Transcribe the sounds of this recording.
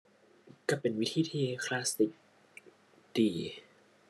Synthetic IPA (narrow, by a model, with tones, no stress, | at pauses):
kaː˥˩pe˨nwi˦˥t̪ʰiː˥˩t̪ʰiː˥˩kʰlaː˦˥st̪i˨˧˩k̚ | d̥iː˨˩